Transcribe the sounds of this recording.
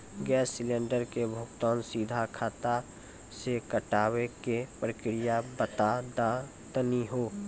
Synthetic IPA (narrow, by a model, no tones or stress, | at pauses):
ɡɛːsːɪlẽːɳɖəɾkebʱʊkt̪ɔːnsid̪ʱakʰaːt̪a | sekəʈaːwekepɾəkɾɪjabət̪ad̪a | t̪əniɦoː